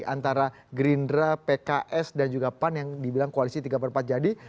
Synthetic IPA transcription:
ant̪aɾa | ɡɾindɾapekaʔɛsdand͡ʒuɡapanjaŋdibilaŋkoalisit̪iɡapərmpat̪̚d͡ʒadi

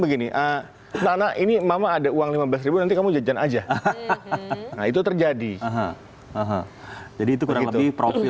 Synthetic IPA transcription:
bəɡiniʔə | nanaʔinimamaːdauaŋlimabəlas̬ɾibunant̪ikamud͡ʒad͡ʒanad͡ʒa | nait̪ut̪ərd͡ʒadiəɦə̰̃ | əɦəd͡ʒadiːt̪ukuɾaŋləbɪhpɾofi

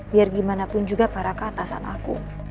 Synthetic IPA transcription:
biarɡimanapʊnd͡ʒuɡapaɾakaat̪asa̰nʔa̰kṵ

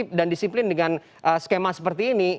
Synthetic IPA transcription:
ip̚dandisiplɪndəŋan | ʔəskemasə̥pərt̪iːni

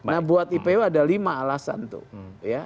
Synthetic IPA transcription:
nahbuat̪ipeuadalimaːlasa̰nt̪ṵja

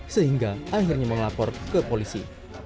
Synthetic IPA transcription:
səɦiŋɡaahirɲaməŋlapɔrkəpolisḭ

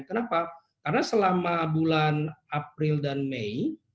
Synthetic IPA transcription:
kənapa | karənasəlamabulanap̚ɾɪldanmei

